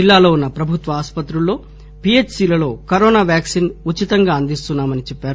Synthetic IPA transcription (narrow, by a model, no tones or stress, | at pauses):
ilːaːloːunːɐpɾɐbʱut̪ʋɐaːspɐt̪ɾulːo̞ː | piet͡ʃsiːlɐlo̞ːkɐɾɔːnaːʋjaːksiːnut͡ʃːit̪ɐŋɡaːɐnd̪ist̪unːaːmɐnit͡ʃɛpːaːɾu